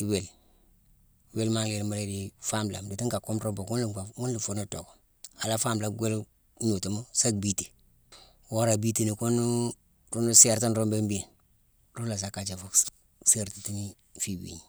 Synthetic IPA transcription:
i˨˦we˨l | we˦lma˦ŋle˨ɾma˦ɾe˦di˨fa˦mla̰˨mdi˨ti˦ŋka˨ku˦mɾo˦mbo˨ku˦nlu˨a˨ŋu˦nlu˨fu˦no˦to˨ko̥˨ | a˨la˦fa˦mla˨ɡʷe˦l | ɲu˨ti˨mu˦sa˦ɡ̚bi˦ti̥˨ | wo˦ɾa˨bi˦ti˦˨ni˨ku˦nu˦ | ɾu˦nu˦se˦ɾta˦nɾo˦mbe˦mbi˦e˨n | ɾu˦la˨s̬a˦ka˨t͡ʃa˨fu˦ | se˦ɾti˨ti˦ni˦ | fi˨wḭ˨ɲi˨

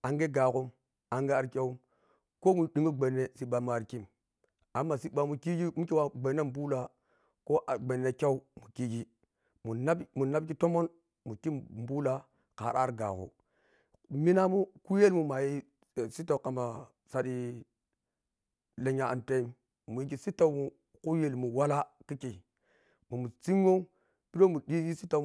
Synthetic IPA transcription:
a˨ŋɡe˦ɡa˨ku˦m | a˨ŋɡe˦a˨ɾkʲe˦u˦m | ko˦mu˨ɗi˨mu˦ɡ͡be˨nːe˦si˦ɓa˨mu˨a˨ɾki˦m | a˨˦mːa˨si˦ɓa˨mu˨ki˦ɡi˦mu˦ke˦wa˦ɡ͡be˨ne˦m˦bu˦la˨ | ko˦ʔa˨ɡ͡be˨nːe˨kʲa˦u˦mu˨ki˦ɡi˦ | mu˨na˦bmu˨na˦bki˦to˦mo˦n | mu˨ki˦m˨bu˦la˨ | ka̰˨ɾa̰˦ɾɡa̰˨ɣṵ˨ | mi˦na˦mu˦ku˦je˦lmu˨ma˨ji˦˨ | si˦ta˨ka˨ma˨ | sa˦ɗi˦ | le˨ɲa˨a̰˨nte˦m | mu˨ji˦ɡ̬i˨si˦ta˦wmu˨ | ku˦je˨lmu˨wa˦la˦ki˦ke˨ | mu˨mu˨t͡si˦m˦o˦ | pi˦ɾo˦mu˨di˦ɡi˦si˦ta˦

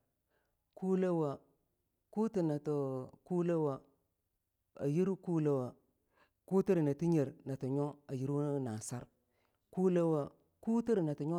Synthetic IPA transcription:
ku˦le˦wa˨ | ku˦ti˨na˨tu˨ku˦le˦wa˨ | a˨ji˦ɾu˦ku˦le˦wa˨ | ku˦ti˦ɾna˨ti˦ɲe˨ɾna˨ti˨ɲo˦a˨ji˦ɾu˦na˨sa˦ɾ | ku˦le˦wa˨ | ku˦ti˦ɾna˨ti˨ɲo˦

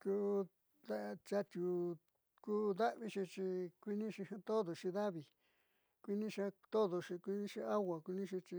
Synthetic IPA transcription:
ku˦ | d̪a˦˧t͡ʃa˧t̪ʲu˨ | ku˦d̪a˦ʔβi˦ʃi˧t͡ʃi˧kʷi˦nĩ˦ʃi˧hã˧t̪o˦ðo˨ʂĩ˧ða˦βi˧ | kʷi˦nĩ˦ʃa˧t̪o˦ðo˧ʃi˧kʷi˧nĩ˦ʃi˧a˦wa˨kʷi˧nĩ˦ʃ̬i˧t͡ʃi˧

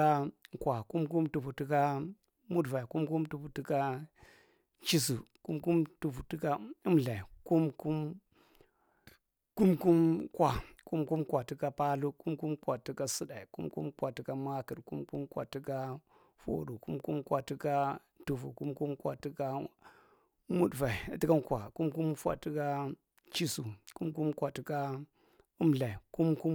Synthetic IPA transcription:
a˦kwa˨ku˦mku˦mtu˨vu˨ti˦ka˦ | mu˦dva˨i˨ku˦mku˦mtu˨vu˨ti˦ka˦ | t͡ʃi˦s̬ṵ˨ku˦mku˦mtu˨vu˨ti˦ka˦i˦mla˨i˨ku˦mku˦m | ku˦mku˦mkwa˨ku˦mku˦mkwa˨ti˦ka˦pa˦lu˦ku˦mku˦mkwa˨ti˦ka˦sɨ˦da˨i˨kṵ˦mkṵ˦mkwa˨ti˦ka˦ma˦kɨ˨ɾku˦mku˦mkwa̰˨ti˦ka˦ | fo̰˦ɾu˨ku˦mku˦mkwa˨ti˦ka˦ | tu˨vṵ˨ku˦mku˦mkwa̰˨ti˦ka˦ | mu˦dva˨i˨˦ti˦ka˦nkʷwa˨ku˦mku˦mfʷa̰˨ti˦ka˦ | t͡ʃi˦su˨ku˦mku˦mkʷa˨ti˦ka˦ | u˦mla˨i˨ku˦mku˦m

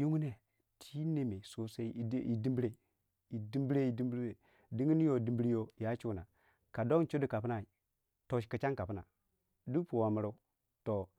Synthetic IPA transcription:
ju˦ŋu˦ne˦ | tʰi˦ne˨me˨so˦se˦i˦i˨di˦mbi˦ɾe˦ | i˨di˦mbi˦ɾe˦i˨di˦mbɾe˨ | di˦ŋi˦n˦jo˨di˨˦bi˦ɾi˦jo˦ja˦t͡ʃu˦˨na˨ | ka˨do˦ŋ˦t͡ʃu˦di˨ka˨pna˨ | to˨ʃkə˨t͡ʃa˦ŋka˨pu˦na̰˨ | du˦pu˨wa˨mə˨ɾo˦ | to˨

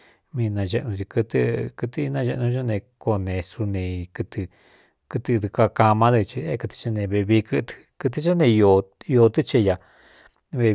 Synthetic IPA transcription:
mĩ˧nã˧ʒe˧ʔnũ˧t͡ʃi˧kɨ˧t̪ɨ˧kɨ˧t̪i˦˧nã˧ʒe˧ʔnũ˧˦a˦nẽ˧ko˧nẽ˧su˧nẽ˨˧kɨ˧t̪ɨ˧ | kɨ˧t̪ɨ˧d̪u˧ka˧ka˧mã˦ðɨ˧t͡ʃi˧e˦kɨ˧t̪i̥˧t͡ʃe˧nẽ˧βe˧βi˧kɨ˦t̪kɨ˧t̪̬i˧t͡ʃa˦nẽ˧jo˧o˧t̪ɨ˦t͡ʃe˧ja˨ | βe˧

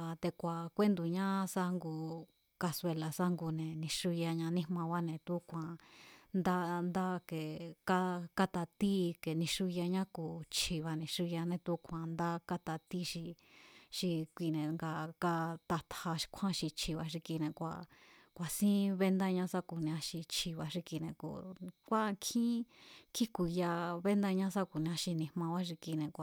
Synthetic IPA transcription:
t̪e˧kʷa˨kʷe˦nd̪u˨ɲã˦sa˧ŋɡu˧ | ka˧swe˧la˨sa˦ŋɡu˧nẽ˨nĩ˧ʂu˧ja˧ɲã˧nĩ˦˧mã˧βa˦nẽ˨t̪u˦kʷã˨nd̪a˦nd̪a˦ke˨ka˦ka˦t̪a˧t̪i˦ke˨nĩ˧ʂu˧ja˧ɲã˦kuː˨t͡ʃʰi˧˨βa˧nĩ˧ʂu˧ja˧nẽ˧t̪u˦kʷʰã˨nd̪a˦ka˦t̪a˧t̪i˦ʃi˧ʃi˧kʷi˧˨nẽ˨ŋɡa˧ka˧t̪a˧t̪ʰha˧ʃkʷʰã˦ʃi˧t͡ʃʰi˧βa˧ʂi˧ki˧nẽ˧kʷa̰˧˨kʷa˨sĩ˦βe˦nd̪a˧ɲã˧˦sa˦˧ku˨nĩ˧ã˧ʃi˧t͡ʃʰi˧˨βa˧ʂi˧ki˧nẽ˧˨kṵ˨kʷa˦˧ŋkʰĩ˦kʰi˦ku˧ja˧βe˦nd̪a˧ɲã˦sa˦ku˨nĩ˧ã˧ʃi˧nĩ˧mã˧βa˦ʂi˧ki˧nẽ˧kʷa˨

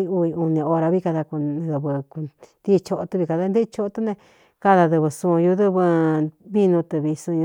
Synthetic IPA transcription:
i˦˧u˧i˧u˧nĩ˧o˧ɾa˧βi˦ka˧ða˧ku˧ðɨ˧βɨ˧ku˧d̪i˦˧t͡ʃo˧ʔo˧t̪u˧βi˧ka˧ða˧˦nd̪e˦˧t͡ʃo˦o˧t̪u˦nẽ˧ | ka˦˧ða˧ðɨ˧βɨ˧sũ˧ju˧ðɨ˦βɨ˧βi˦nũ˧t̪ɨ˧βi˧sũ˧j

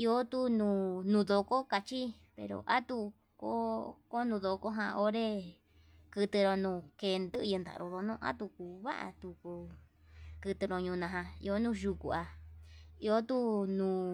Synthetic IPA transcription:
i˧o˦t̪u˦nũː˧nũ˧ðo˧ko˦ka˧t͡ʃi˦ | pḛ˧ɾo̰˨ʔa˦t̪u˧ | ko˦ko˦nũ˧ðo˧ko˦ɦã̰˧ʔo˦ɾe˦ | kɨ˧t̪ɨ˧ɾo˧nũː˧ke˧nd̪ɨ˦˧ɨ˧nd̪a̰˨˧ɾo˧ðo˧nũ˦ʔa̰˦t̪u˧ku˧βa̰˦ʔa̰˧t̪u˧ko˧ | kɨ˧t̪ɨ˧ɾo˧ɲũː˧nã˧ɦã˧ḭ˧o˧nũ˦ʒu˧ku˨a˧ | i˧o˦t̪u˦nũː˧

